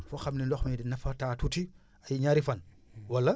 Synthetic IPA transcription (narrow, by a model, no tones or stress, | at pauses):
fɔxɐmnilɔxmidinɐfɐtaːtuti | ɐjɲaɾifɐn | wɐlːɐ